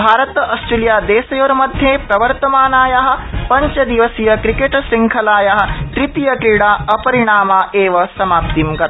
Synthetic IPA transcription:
bʱaːɾɐt̪ɐsʈɾelijaːd̪eːsɐjoːɾɐmɐd̪ʱjeːpɾɐʋɐɾt̪ɐmaːnaːjɐɦɐ̆pɐɲt͡ʃɐd̪iʋɐsijɐkɾikeʈsiŋkʰɐlaːjɐɦɐ̆t̪ɾit̪ijɐkɾiɽaːɐpɐɾiɳ̃aːmaːʔeːʋɐsɐmaːp̚t̪imɡɐɾ

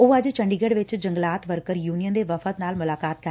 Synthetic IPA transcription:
oːəd͡ʒt͡ʃəɳɖiːɡeɖʋɪt͡ʃd͡ʒəŋɡlaːt̪ʋəɾkəɾjuːnijənd̪eːʋəfʰət̪naːlmʊlaːkaːt̪̚kə

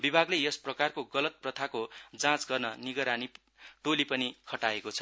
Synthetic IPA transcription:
bibʱaɡlejʌsprʌkarkoɡʌlʌt̪̚prʌt̪ʰakod͡zãt͡sɡʌrnʌniɡʌɾani | ʈolipʌnikʰʌʈaekot͡sʰʌ̥

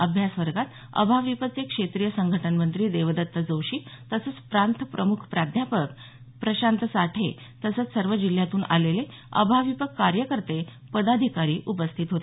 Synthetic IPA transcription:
əbʱjasʋəɾɡat̪ | ə̰bʱaʋipət͡sekʂet̪ɾijəsəŋɡʱəʈʰənmənt̪ɾiːd̪eʋəd̪ət̪ːəd͡zowɕiːt̪əsət͡spɾant̪ʰpɾəmukʰpɾad̪ʱjapək | pɾəɕant̪əsaʈʰḛ | t̪əsət͡ssəɾʋəd͡ʑil̤jat̪uːnʔa̰lele | ə̰bʱaʋipəkːaɾjəkəɾt̪e | pəd̪ad̪ʱikaɾiːʔupəst̪ʰit̪ɦot̪e

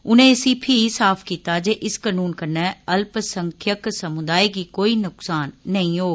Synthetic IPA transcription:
ʊnẽsiːpʰisaːfkit̪ad͡ʑeʔɪskɐnuːnkɐnəɐlpsɐ̃ŋkʰjəksɐmʊd̪aːikiːkoːinʊksaːnːɐɦĩɦoː

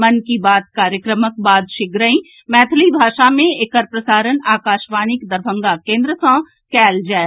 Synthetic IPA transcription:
mɐnkibaːd̪̚kaːɾjəkɾəmək̚baːd̪ʃɪkɾəĩ | mɛːt̪ʰlibʱaːʃamẽekəɾpɾəsaːɾənaːkaːʃʋaːnɪkd̪əɾbʱə̃ŋɡakẽːnd̪ɾəsɔ̃ː | kɛːld͡ʒɛː

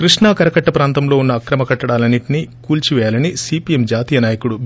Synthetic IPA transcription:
kɾiʂɳaːkɐɾɐkɐʈːɐpɾaːnt̪ɐmlo̞ːunːɐːkɾɐmɐkɐʈːɐɽaːlɐnːiʈinikuːlt͡ʃiʋɛːjaːlɐnisiːpiemd͡ʒaːt̪iːjɐnaːjɐkuɽu

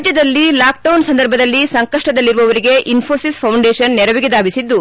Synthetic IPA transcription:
d͡ʒjɐd̪ɐlːilaːk̚ɖɐwnsɐnd̪ɐɾbʱɐd̪ɐlːisɐŋkɐʂʈɐd̪ɐlːiɾuʋɐʋɐɾiɡe̞ʔinpʰo̞ːsispʰɐwɳɖeːʃɐnːɛɾɐʋiɡed̪aːbisid̪ːu

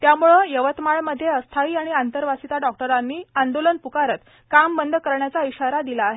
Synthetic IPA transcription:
t̪jamuɭəjəʋət̪maɭməd̪ʱːjeəst̪ʰaiːaɽ̃iant̪əɾʋasit̪aɖɔk̚ʈəɾanːiːand̪olənpukaɾət̪ | kambənd̪ʱkəɾɳjat͡saiɕaɾad̪ilaːɦe

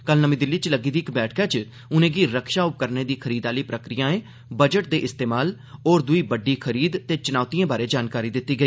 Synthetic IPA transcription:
kəlnəmĩːd̪ɪlːiːt͡ʃləɡiːd̪iːkbɛːʈʰkaːt͡ʃ | ʊnẽːɡiːɾəkʃaːʊp̚kəɾneːd̪iːkʰəɾiːd̪aːliːpɾəkɾɪjãːẽː | bəd͡ʒəʈ̚d̪eːʔɪst̪eːmaːl | oːɾd̪ʊiːbəɖiːkʰəɾiːd̪t̪eːt͡ʃʊnaːʊt̪iːẽːbaːɾeːd͡ʒaːnkaːɾiːd̪ɪt̪ːiːɡəiː

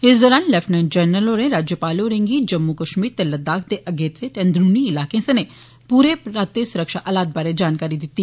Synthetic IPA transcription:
ɪsd̪oːɾaːnlɛfʰnənd͡ʒəːnəloːɾẽɾaːd͡ʒjəpaːloːɾẽŋɡiːd͡ʒəmːukəʃmiːɾt̪ɛləd̪aːkʰd̪eʔəɡeːt̪ɾet̪ɛ̃nd̪ɾuːniɪlaːkẽːsɐne | puːɾeɾaːt̪ːesʊɾəkʃa̰ːʔəlaːt̪̚baːɾed͡ʒaːnkaːɾid̪ɪt̪ːiː

